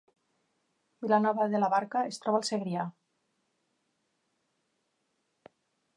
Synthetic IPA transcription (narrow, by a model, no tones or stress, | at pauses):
bilanɔβaðelaβaɾkaest̪ɾɔβalˠseɣɾia